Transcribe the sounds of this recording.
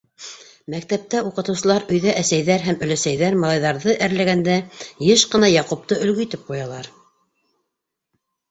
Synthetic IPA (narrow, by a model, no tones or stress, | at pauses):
mæk̚t̪æp̚t̪æuqɤ̆t̪ɤ̆wsɤ̆lˠɑɾɵ̆jðæʔæsæjðæɾɦæmɵ̆læsæjðæɾmɑlˠɑjðɑɾðɤʔæɾlæɡænd̪æjɤʃqɤ̆nɑjɑqup̚t̪ɤʔɵ̆lɡɵ̆it̪ɘp̚qujɑlˠɑɾ